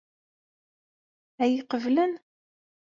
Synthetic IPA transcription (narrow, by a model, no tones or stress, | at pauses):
æjiqəvlæn